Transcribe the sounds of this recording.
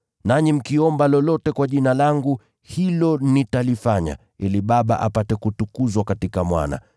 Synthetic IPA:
naɲim̩kiɔmbalɔlɔtɛkwaʄinalaŋɡu | hilɔnitalifaɲa̰ | iliɓaɓa̰ʔa̰patɛkutukuzwakatikamwa̰na̰

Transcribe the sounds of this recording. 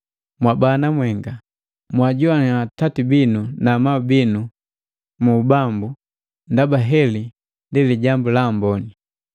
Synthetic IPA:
mwabanamwɛŋɡa | mwaɟuanatatibinunamaubinu | muːbambu | ndabaɦɛli | ndiliɟambulambɔni

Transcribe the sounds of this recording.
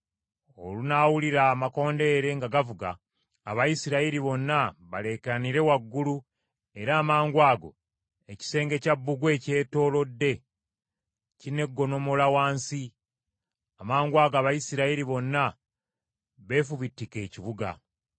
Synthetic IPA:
o̞̰lunawuliɾamako̞ːnde̞ːɾe̞ŋɡaɡavuɡa̰ː | βajisiɾaiɾiβo̞nːaβale̞keaniɾe̞waɡːulu | e̞ɾaːmaːŋɡwaːɡo̞̰ | e̞ci̥se̞ːŋɡe̞cabːuɡwe̞ːce̞ːto̞ːlo̞dːe̞ | cine̞ɡːo̞no̞mo̞lawaːnsi | amaːŋɡwaːɡaːβajisiɾaiɾiβo̞nːa | βe̞ːfuβitːike̞ːciβuɡa̰

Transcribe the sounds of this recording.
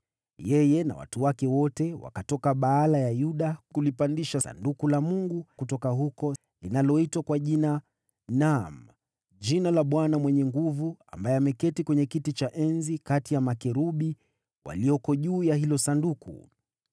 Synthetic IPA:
jɛjɛna̰wa̰tuwakɛwɔtɛwa̰katɔkaɓaalajajuɗakulipandiʃasa̰ndukulamuŋɡukutɔkaɦukɔ | linalɔitwakwaʄina | nam | d͡ʒinalaɓwanamwɛɲɛŋɡuvua̰mbajɛamɛkɛtikwɛɲɛkitit͡ʃaʔɛnzikatijamakɛɾuɓi | wʔa̰lijɔkɔʄuːjaɦilɔsandukṵ

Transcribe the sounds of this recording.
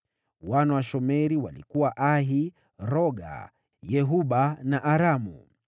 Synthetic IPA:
wanawaʃɔmɛɾiwalḭkuwaʔaɦi | ɾɔɡa̰ | jɛɦuɓanaʔaɾamṵ

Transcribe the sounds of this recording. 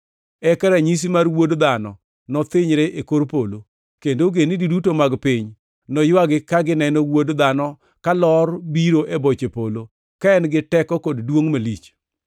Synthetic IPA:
ɛkɛɾaɲis̬imarwodd̪anɔ̰ | nɔt̪ɪɲɾeʔekoɾpolo | kendoɡenididutomaɡpɪɲ | nɔjwaɡɪkaɡɪnɛnɔwodd̪anɔ | kalɔrbiɾoʔebot͡ʃepolo | kaɛnɡɪtɛkɔkoddwoŋmelit͡ʃ

